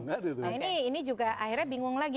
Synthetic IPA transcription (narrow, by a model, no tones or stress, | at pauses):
ŋadɛt̪iniːnid͡ʒuɡaʔaɦirɲabiŋʊŋlaɡi